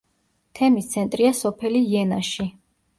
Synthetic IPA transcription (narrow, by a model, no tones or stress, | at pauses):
t̪ʰɛmist̪sʰɛnt̪ʼɾiasɔpʰɛliːɛnaʃi